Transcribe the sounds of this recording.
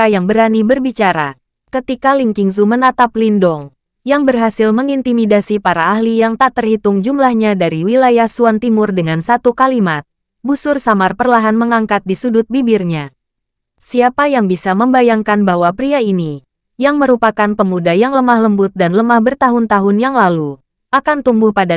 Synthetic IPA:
ajaŋbəɾanibərbit͡ʃaɾa̰ | kət̪ikaliŋkiŋs̬umənat̪aplindɔŋ | jaŋbərɦasɪlməŋint̪imidasipaɾaːhlijaŋt̪aʔt̪ərhit̪ʊŋd͡ʒumlahɲadaɾiwilajahsuant̪imʊrdəŋansat̪ukalimat̪̚ | busʊrsamarpərlaɦanməŋaŋkat̪̚disudʊt̪̚bibirɲa | siapajaŋbisaməmbajaŋkanbahwapɾiaini | jaŋməɾupakanpəmudajaŋləmahləmbʊt̪̚danləmahbərt̪aɦʊnt̪aɦʊnjaŋlalu | ʔakant̪umbʊhpada

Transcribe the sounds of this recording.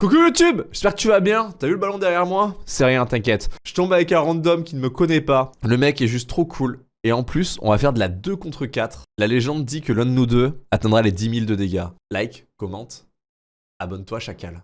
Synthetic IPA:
kɔkyjut̪ybʒɛspɛʁkət̪yvabjɛ̃t̪yavyləbalɔ̃d̪ɛʁjɛʁmwasɛʁjɛ̃t̪ɛ̃kʲjɛt̪ʒə̥t̪ɔ̃bavɛkɛ̃ʁɑ̃d̪ɔmkʲinəməkɔnɛpaləmɛkɛʒyst̪ːχokʰul | eɑ̃plysɔ̰̃vafɛʁd̪əlad̪økɔ̃t̪χəkʲat̪χlaleʒɑ̃d̪d̪ikəlɛ̃d̪ənud̪øat̪ɛ̃d̪ʁaled̪imild̪əd̪eɡʲalajkkːɔmɑ̃t̪ | abɔnt̪waʃakʲal

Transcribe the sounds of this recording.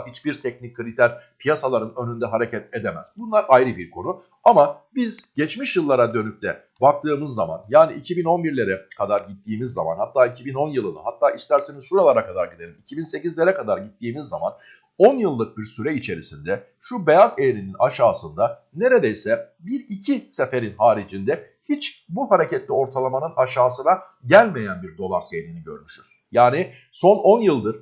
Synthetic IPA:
hit͡ʃbiɾt̪ʰɛcnic̚ʲkʰːɯɾit̪ʰæɾpʰijasalˠaɾɯnø̞nynd̪ɛɦaɾe̞cʰɛt̪e̞d̪emæ̰z̥bunlˠaɾʔajɾɯbiɾkʰo̞nu | amabiz̥ɟɛt͡ʃmiʃjɯlˠːaɾad̪ø̞nyc̚t̪ʰɛ | bak̚t̪ʰɯːmɯzːama̰njaːniʔːcʰibino̞nbiɾlʲe̞ɾɛkʰad̪aɾɟit̪ːiːmizːa̰ma̰nhat̪ʰːaːicʰibino̞njɯlˠɯna̰ɦat̪ʰːaːʔist̪æɾsenizsuɾalˠaɾakʰad̪aɾɟid̪e̞lʲimicʰibinse̞cizlʲe̞ɾɛkad̪aɾɟit̪ːiːmizːaman | o̞njɯlˠːɯk̚biɾsyɾɛit͡ʃʰe̞ɾisind̪ɛ | ʃube̞jazejɾininaʃaːsɯnd̪a | ne̞ɾe̞d̪ejsɛbiɾicʰise̞fe̞ɾinhaːɾid͡ʒind̪ɛ | hit͡ʃbuhaɾe̞cɛt̪lʲio̞ɾt̪ʰalˠamanɯnaʃaːsɯna | ɟælʲme̞jænbiɾd̪o̞lˠaɾsejɾiniɟø̞̰ɾmyʃyz̥ | jaːni | so̞no̞njɯlˠd̪ɯɾ̥

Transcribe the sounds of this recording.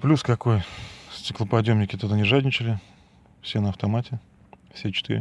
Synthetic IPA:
plʲuskɐko̞jsʲtʲɪklˠəpɐdʲjomnʲɪkʲɪt̪od̪anʲɪʐadʲnʲɪt͡ɕɪlʲɪ | fsʲenəɐft̪ɐmatʲɪ | fsʲet͡ɕɪ̥t̪ɨɾʲɪ̰

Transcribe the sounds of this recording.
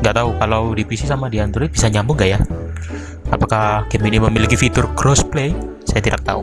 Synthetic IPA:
ŋɡat̪aukalawdifisisamadiant̪uɾibisaɲambʊŋɡaʔja | apakakɛminiməmilikifit̪ʊrkɾɔsplejsajat̪idak̚t̪a̰u

